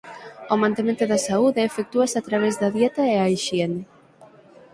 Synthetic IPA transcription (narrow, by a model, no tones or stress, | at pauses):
omãnt̪emẽnt̪ʊðɐsauðeːfek̚t̪uɐsat̪ɾaβ̞ezðɐðjet̪ɐeajʃien